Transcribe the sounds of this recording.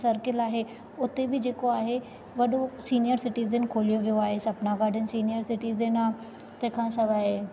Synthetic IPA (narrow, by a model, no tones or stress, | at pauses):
sɐɾkɪlaːɦe | ʊt̪ebɪd͡ʑeːkoaːɦe | ʋɐɗosiːnijəɾsɪʈiːzənkʰoːlijoʋijoaːɦesɐpnaɡaːɖʱənɪ̆siːnijəɾsɪʈiːzənaː | t̪ɐ̃ɦkʰãːsɐʋaːɦe